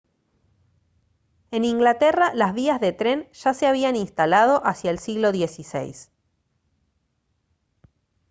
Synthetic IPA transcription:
e̞nĩŋɡlat̪eralazβiazðe̞t̪ɾe̞nʒ̥ase̞aβ̞ianinst̪alað̞o̞ʔasjaelsiɣlo̞ðjesisḛjs

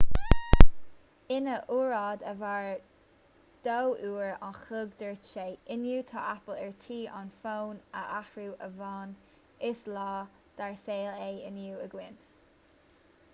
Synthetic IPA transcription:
ɪnəʔuːɹɑːd̪əvaɹ | d̪̥owʔuːɹanxʊɡd̪əɹt͡ʃeːɪnjuːt̪ʰɑʔapəlɛɹt̪ʰiːʔanfoːnə̰ʔahɹuːʔəvɑːn | ɪslɑː | d̪̥aɹseːleːɪnjuːəɡwɪn

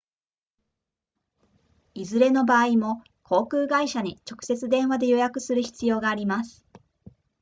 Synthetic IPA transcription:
izɨɾe̞no̞baːimo̞ | kʰo̞ːkɯ̟ːɡaiɕaɲ̟it͡ɕo̞kɯ̟̥se̞t͡sɨd̪ẽ̞ɰ̃βad̪e̞jo̞jakɯ̟sɨɾɯ̟çi̥t͡sɨjo̞ːɡaːɾʲimasɨ̥

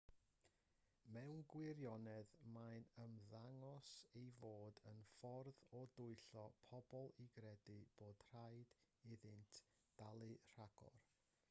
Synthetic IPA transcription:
mɛwnɡwɪɾjɔnɛðmajnəmðaŋɔsejvoːdənfɔrðɔdʊɨɬɔpʰɔbɔlˠiɡɾɛdɨb̥oːd̥r̥ajd̥ | ɪðɨntʰ | d̥alˠɨr̥aɡ̥ɔ̰r

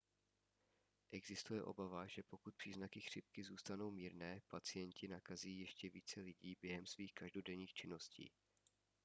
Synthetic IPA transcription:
ʔɛɡzɪst̪ujɛʔo̞̰bavaʒɛpo̞kut̪̚pr̥iːznakɪxr̝̥ɪp̚kɪzuːst̪ano̞wmiːɾnɛːpat͡sɪjɛncɪnakaziːjɛʃcɛvḭːt͡sɛlɪɟiːbjɛɦɛmsviːxkaʒdodɛɲiːxt͡ʃɪno̞scḭː

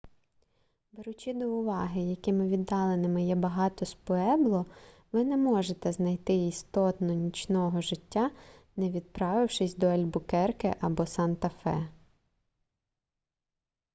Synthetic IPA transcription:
beɾʊt͡ʃɪd̪ɔʊʋɑɦɪjɐkɪmɪʋʲid̪ːɑlˠenɪmɪjɛbɐɦɑt̪ɔspɔɛblˠɔ | ʋɪnɛmɔʒet̪ɛznɐjt̪ɪist̪ɔt̪nɔnʲit͡ʃnɔɦɔʒɪtʲːanɛʋʲid̪̚pɾɑʋɪwʃɪsʲd̪ɔɛlʲbʊkɛrkɪ̰ʔɐbɔsɑnt̪ɐfɛ

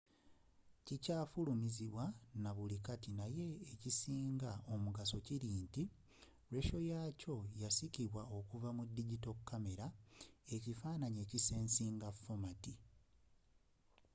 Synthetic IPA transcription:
cicaːfulumiziβwanaβulikatinaje̞ːcisiːŋɡao̞muɡaso̞ciɾiːnti | ɾe̞ʃo̞jaco̞jasiciβwao̞kuvamudːiɟito̞kːame̞ɾae̞cifaːnaɲe̞ːcise̞ːnsiːŋɡafomati

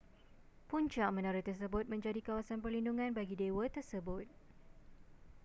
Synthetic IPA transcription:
puɲt͡ʃaʔmə̃naɾɪt̪ərs̬əbʊt̪̚mə̃ɲd͡ʒadikawasanpərlinduŋãnbaɡidewət̪ərsəbʊt̪̚

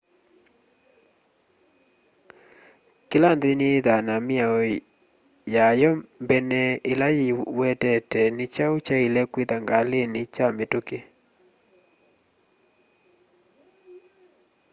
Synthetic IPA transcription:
kɪlandɪneðanamɪaɔ | jajɔmbɛnɛɪlajiwɛtɛtɛnɪt͡ʃaut͡ʃailɛkweðaŋɡalenɪt͡ʃametoke

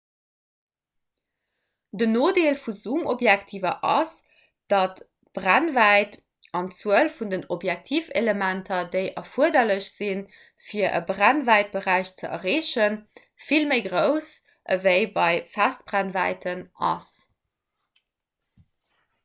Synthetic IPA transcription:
dənoːdeːlfuzuːmobjæktʰiːvɐʔɑ̰s | d̥ɑt | b̥ʁænvæɪt | ɑnt͡suəlfundənobjæk̚tʰiːfḛləmæntʰɐdeɪʔɐfuɐdɐləɕz̥in | fiɐʔə̰bʁænvæɪt̚b̥əʁæɪɕt͡səʔɐ̰ʁeːɕən | filməɪɡʁəʊs | ʔəvəɪbɑɪfæst̚b̥ʁænvæ̰ɪtʰənɑ̰s

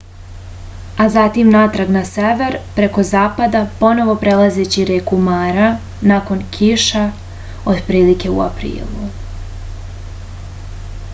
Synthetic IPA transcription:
azat̪imnaːt̪ɾaɡnaseʋe̞ɾpɾe̞ko̞zaːpad̪apo̞no̞ʋo̞pɾelˠaze̞t͡ɕiɾekumaːɾa | naːko̞nkʰiʃa | od̪pɾiːlike̞ṵa̰pɾḭːlˠu

